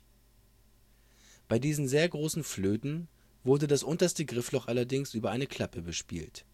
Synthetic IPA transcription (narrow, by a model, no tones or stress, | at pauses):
b̥aɪdiːzn̩zeːɐɡʁoːsn̩fløːtn̩ | vʊɐdədasʔʊntɐstəɡʁɪflɔχʔalɐdɪŋsʔyːbɐʔaɪnəkʰl̥apəbəʃpḭːlt